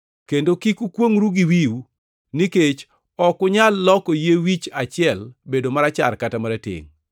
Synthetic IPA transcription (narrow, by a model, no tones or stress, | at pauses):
kendokikukwoŋɾuɡiwiw | niket͡ʃ | ɔkʊɲalːɔkɔjewit͡ʃat͡ʃɪɛlbedomaɾat͡ʃa̰rkatamaɾatɪ̰ŋ